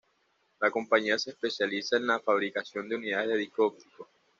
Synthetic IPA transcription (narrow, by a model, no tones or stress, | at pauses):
lako̞mpaɲiaseːspesjalisaenlafaβ̞ɾikasjo̞nd̪euniðaðeðeðikop̚t̪i̥ko